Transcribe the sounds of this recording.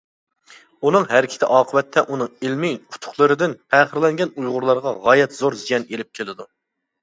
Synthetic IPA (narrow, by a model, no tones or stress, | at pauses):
unɨŋɦæɾɪkʲʰɪt̪ʰɪ̰ʔɑːqʰəbɛt̪ʰːɛʔunɨŋilmiʊ̥t̪ʰʊ̥χlˠɨɾɨd̪ɪnpʰæːχəɾlɛŋɡʲɛnujʁʊɾlˠɑɾʁɑʁɑːjɛt̪zoɾzijɛnelɪp̚kʲʰelɪd̪u